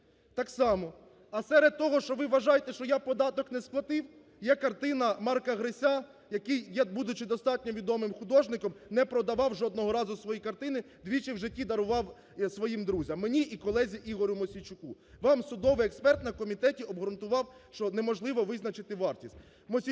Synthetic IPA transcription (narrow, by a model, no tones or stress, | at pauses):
t̪ɑksɑmɔ | ɐsɛɾed̪̚t̪ɔɦɔʃt͡ʃɔʋɪʋɐʒɑjet̪ɛʃt͡ʃɔjapɔd̪ɑt̪ɔknɛsklˠɐt̪ɪw | jɛkɐrt̪ɪnɐmɑrkɐɦɾɪsʲa | jɐkijjɛbud̪ʊt͡ʃɪd̪ɔst̪ɑt̚ʲnʲɔʋʲid̪ɔmɪmxʊd̪ɔʒnɪkɔmnɛpɾɔd̪ɐʋɑwʒɔd̪nɔɦɔɾɑzʊsʋɔjikɐrt̪ɪnɪ | d̪ʲʋʲit͡ʃɪwʒɪtʲːid̪ɐɾʊʋɑw | sʋɔjimd̪ɾuzʲɐmːenʲiʔikɔlˠɛzʲiʔiɦɔɾʲʊmɔsʲit͡ʃʊku | ʋɑmsʊd̪ɔʋɪjɛkspɛrt̪nɐkɔmʲit̪ɛtʲiɔbɦɔɾʊnt̪ʊʋɑwʃt͡ʃɔnɛmɔʒlˠɪʋɔʋɪznɐt͡ʃɪt̪ɪʋɑrtʲisʲtʲ | mɔsʲi